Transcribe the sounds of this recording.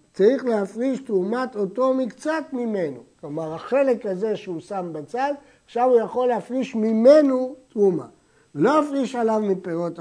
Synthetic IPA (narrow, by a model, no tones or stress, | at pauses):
t͡saʁiχleafʁiʃt̪ʁumat̪ot̪o̞mikt͡sat̪mimenoklomaʁaχe̞le̞kaze̞ʃeusambat͡sad̪ | aχʃavujaχo̞lːeafʁiʃmimenot̪ʁuma̰ | velo̞afʁiʃalavmipeʁo̞t̪